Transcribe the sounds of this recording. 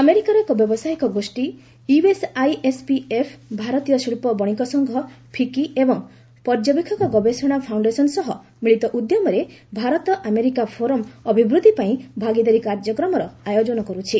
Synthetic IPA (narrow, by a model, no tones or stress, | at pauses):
ameɾikaɾɔekɔbjɔbɔsaɦikɔɡosʈi | uesajespiepʰbʱaɾɔt̪ijɔsiɭpɔbɔɽ̃ikɔsɔŋɡʱɔpʰikiebɔŋ | pɔɾd͡ʒɔbikʰːɔkɔɡɔbesɔɽ̃apʰawɳɖesɔnsɔɦɔ | miɭit̪ɔʔud̪jɔmɔɾebʱaɾɔt̪ɔʔameɾikapʰoɾɔmɔbʱibɾud̪ʱːipaĩbʱaɡid̪ɔɾikaɾd͡ʒɔkɾɔmɔɾɔajod͡ʒɔnɔkɔɾut͡ʃʰi